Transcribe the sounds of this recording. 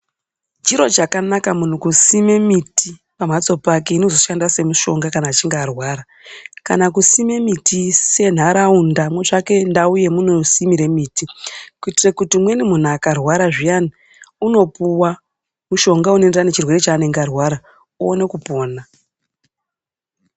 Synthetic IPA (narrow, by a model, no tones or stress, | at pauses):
d͡ʒiɾo̞d͡ʒakanakamun̤ukusime̞miti | pam̤at͡so̞pake̞ino̞zo̞ʃandase̞muʃo̞ŋɡakanaːt͡ʃiŋɡeːrwaːɾa | ka̰nakusime̞mitise̞n̤aɾaundamwe̞ʐake̞ndauje̞muno̞simiɾe̞miːtikuitirekutimwe̞nimun̤uakarwaɾaʐijani | uno̞puwa | muʃo̞ŋɡaunoenderane̞t͡ʃirwe̞ɾet͡ʃaːne̞ŋɡarwaːɾa | uone̞kupo̞ːna